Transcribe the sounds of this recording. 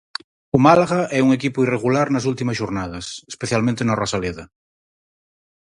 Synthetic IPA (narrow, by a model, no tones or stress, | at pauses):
umalaɣaʔɛuŋekipʊireɣulaɾnɐs̬ult̪imɐsʃoɾnað̞ɐsespeθjalmẽnt̪enorasaleðɐ